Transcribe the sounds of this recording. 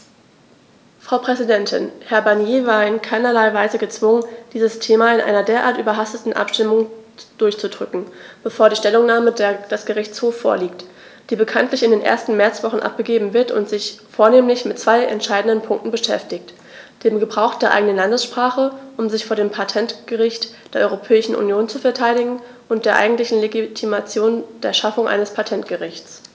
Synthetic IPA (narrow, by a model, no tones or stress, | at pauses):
fʁ̥aʊpʁ̥ɛzidɛntʰɪnhɛɐbaɐnjeːvaːɐɪnkʰaɪnɐlaɪvaɪzəɡət͡sv̥ʊŋənd̥iːzəstʰeːmaɪnʔa̰ɪnɐdeːɐʔaːɐtyːbɐɦastətn̩ʔa̰pʃtɪmʊŋd̥ʊɐçt͡sudʁʏkŋ̩b̥əfoːɐɾiːʃtɛlʊŋnaːmədd̥asɡ̥əʁɪçt͡shoːfo̰ːɐliːkt | d̥iːbəkʰantlɪçɪndeːnʔḛɐstn̩mɛɐt͡sv̥ɔχn̩ʔa̰p̚ɡ̥əɡeːbm̩vɪɐtʊ̰ntz̥ɪçfoːɐneːmlɪçmɪtt͡sv̥aɪʔɛ̰ntʃaɪdn̩dənpʰʊŋktn̩bəʃɛ̰ftɪçt | d̥eːmɡəbʁaʊxd̥eːɐʔa̰ɪɡənənlandəsʃpʁ̥aːχəʔʊmzɪçfoːɐdeːmpʰatʰɛntɡ̥əʁɪçtd̥eːɐʔɔʏʁopʰɛːɪʃn̩ʔṵnjoːnt͡sufɛɐtʰaɪɾɪɡŋ̩ | ʔʊntd̥eːɐʔa̰ɪɡŋ̩tlɪçn̩leɡitʰimat͡sjoːnd̥eːɐʃafʊŋʔa̰ɪnəspʰatʰɛntɡ̥əʁɪçt͡s